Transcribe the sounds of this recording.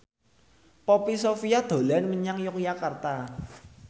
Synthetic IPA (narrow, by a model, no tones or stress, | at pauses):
pɔpisofijad̪̥o̤lanməɲaŋjɔkjakart̪a